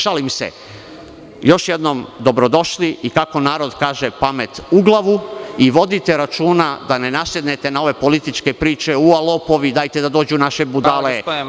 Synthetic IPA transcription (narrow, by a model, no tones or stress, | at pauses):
ʃalimsḛ | jo̞ʃjed̪no̞md̪o̞bɾo̞d̪o̞ʃliikakonaːɾo̞d̪kaːʒepame̞t̪uɡlˠaʋuiʋo̞d̪it̪e̞ɾat͡ʃuːnad̪ane̞nasjed̪ne̞t̪enao̞ʋe̞po̞lit̪it͡ʃke̞pɾiːt͡ʃe̞ualˠopo̞ʋid̪aːjt̪e̞d̪ad̪oːd͡ʑunaʃe̞bud̪ale